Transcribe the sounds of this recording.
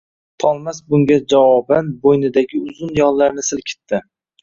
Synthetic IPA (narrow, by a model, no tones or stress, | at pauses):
t̪ʰɒlˠmasbʊŋɡʲad͡ʒavɒbanbojnɪd̪aɡʲɪʊzʊnjɒllːaɾnɪsɪlkʲʰɪ̥t̪ʰːɪ